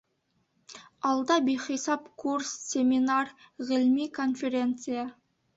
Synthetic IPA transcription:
ɑlˠd̪ɑbejχisɑpkʰurssʲe̞minarʁɪlmikʰo̞nfʲe̞ɾʲe̞nt̪sɨja

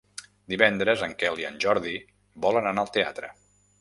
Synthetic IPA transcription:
d̪iβɛnd̪ɾəzəŋkɛlˠiənʲʒɔɾði | bɔlənənaəlˠt̪ea̰t̪ɾə

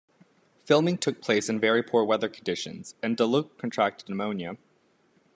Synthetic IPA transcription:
fɪlˠmɪ̃ŋtʰʊk̚pʰl̥eɪsɨ̃nvɛɹipʰuɹwɛðə˞kʰn̩dɪʃɨ̰̃nz̥ɨ̃ndəlukʰːn̩tʰɹ̥æk̚tɨdⁿnəmõʊ̃njɨ

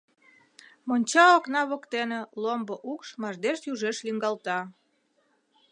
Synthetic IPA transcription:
monʲt͡ɕɑːknɑβokt̪enelomboʔukʃmɑʒd̪eʃjuʒeʃliŋɡɑlt̪ɑ

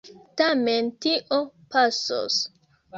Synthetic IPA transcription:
tamentiʔopaso̰s

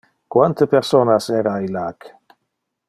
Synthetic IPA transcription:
kwant̪əpeɾsonasɛɾailak

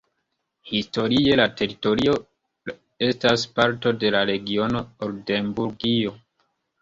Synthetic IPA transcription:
histo̞ɾie̞late̞ɾito̞ɾio̞ | e̞staspaɾto̞de̞laɾe̞ɡio̞no̞oɾde̞mbuɾɡio̞

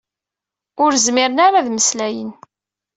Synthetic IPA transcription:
ʊɾzmɪɾənaɾaðməslæjən

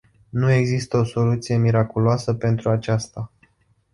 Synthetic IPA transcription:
nue̞ɡzist̪əo̞so̞lut̪sije̞miɾakuloasəpe̞nt̪ɾuat͡ʃast̪a

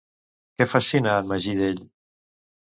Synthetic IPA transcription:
kɛfasinaməʒiðeʎ

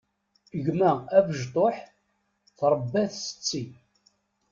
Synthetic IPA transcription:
əʝmæævəʒt̪ˤoħ | θɾˤəbːæθsə̥t͡sːi

